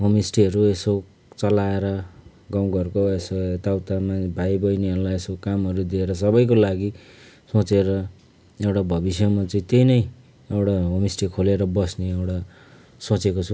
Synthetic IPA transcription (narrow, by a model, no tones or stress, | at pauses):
ɦomisʈiɦʌɾueso | t͡sʌlaeɾʌ | ɡʌmɡʌrkoesot̪awt̪amabʱajbʌjneʌɾlaesokamɦʌɾud̪ieɾʌsʌbʌjkolaɡi | sot͡seɾʌ | ewʈabʱʌbisjʌmat͡sʌĩt̪ejnʌj | ewʈaɦomisʈikʰoleɾʌbʌsneewʈa | sot͡sekot͡sʰu